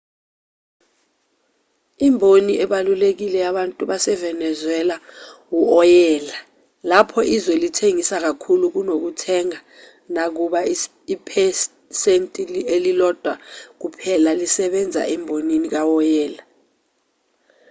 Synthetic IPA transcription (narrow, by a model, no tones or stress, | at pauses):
imbʱoniʔɛɓalulek̬ilɛaɓantʼuɓasɛvɛnɛzwɛlawuɔjɛːla | lapʰɔʔizwɛlitʰeŋisak̬akʰuluk̬unok̬utʰɛŋa | nak̬uɓa | ipʰɛs | sentʼilielilɔd̥ʱwak̬upʰɛlalisɛɓɛnd͡zʱa̰ʔɛmbʱoninik̬awɔjɛːla